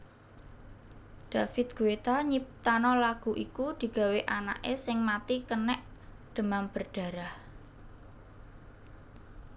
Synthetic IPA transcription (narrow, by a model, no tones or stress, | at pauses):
ɖ̪̥a̤fɪt̪̚ɡ̥uwet̪aɲip̚t̪anɔlaɡ̥ṳʔikud̪̥i̤ɡ̥a̤weʔana̰ʔesɪŋmat̪ikənɛʔ | d̪̥ə̤mamb̥ərɖ̥ä̤ɾah